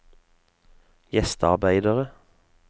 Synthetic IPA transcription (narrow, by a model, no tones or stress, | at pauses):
jɛst̪ɑ̰ʁbæɪd̪əʁə